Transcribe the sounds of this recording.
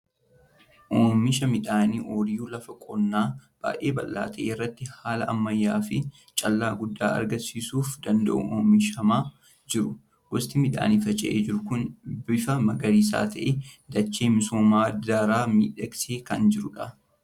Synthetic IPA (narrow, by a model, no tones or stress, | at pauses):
ʔoːmɪʃɐmɪᶑaːniːʔoːɾɪjuːlɐfɐkʼɔnːaːb̥a̰ːʔe̞ːbɐ̰lːa̰ːt̪ʰɐʔeːɪrːɐt̪ːɪhaːlɐʔɐmːɐjːaːfɪ | t͡ʃʼɐlːaːɡʊd̪ːaːɐ̰ɾɡɐnsiːsuːfd̪ɐnd̪ɐ̰ʔʊ̰oːmɪʃɐmaː | d͡ʒɪɾʊ | ɡ̥ɔst̪ɪmɪᶑa̰ːniːfɐt͡ʃʼɐ̰ʔḛːd͡ʒɪɾʊkʊnbɪfɐmɐɡɐɾiːs̬a̰ːt̪ʰɐʔed̪ɐt͡ʃːeːmɪsoːmaːd̪aɾaːmḭːᶑɐkseːkɐnd͡ʒɪɾʊᶑɐ